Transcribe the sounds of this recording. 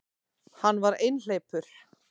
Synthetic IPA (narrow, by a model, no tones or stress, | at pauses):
hanːvaɾejnl̥eːjpʏɾ̥